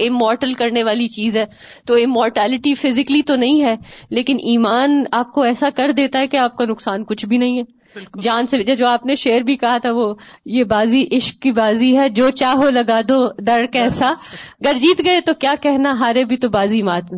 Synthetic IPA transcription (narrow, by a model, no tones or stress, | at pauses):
ɪmɔːɾʈəlkɐɾneʋaːlit͡ʃiːzɦɛː | t̪oɪmɔːɾʈɛːlɪʈifɪzɪklit̪onɐɦĩɦɛːleːkɪnʔiːmaːnaːp̚koɛːsakɐɾd̪eːt̪aɦɛkeaːp̚kanʊksaːnkʊt͡ʃʰbʱinɐɦĩɦɛ | d͡ʒaːnseɪd͡ʒed͡ʒoːaːpneʃeːəɾbʱikɐɦat̪ʰaʋojebaːziʔɪʃkːibaːziɦɛd͡ʒoːt͡ʃaːɦolɐɡaːd̪od̪ɐɾkɛːsaɡɐɾd͡ʒiːt̪ɡɐet̪okjaːkɛɦnaɦaːɾebʱit̪obaːzimaːt̪mẽ